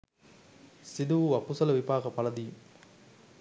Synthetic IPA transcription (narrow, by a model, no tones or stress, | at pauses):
sid̪uɐpːusɐlɐʋibʱaːkɐpɐlɐd̪i